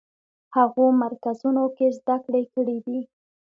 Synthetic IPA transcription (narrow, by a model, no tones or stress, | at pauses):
haɣomaɾkazunokezd̪akɽekəɽid̪i